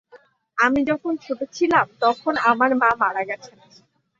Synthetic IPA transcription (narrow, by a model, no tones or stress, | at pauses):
amid͡ʑɔkʰonkʰebet͡ɕʰilamt̪ɔkʰonamaɾmamaɽaɡɛt͡ɕʰen